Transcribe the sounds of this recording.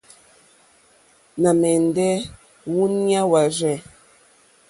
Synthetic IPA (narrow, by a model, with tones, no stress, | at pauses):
na˨mɛ˨n˨dɛ˦ | wu˦nja˦wa˨ʒɛ˨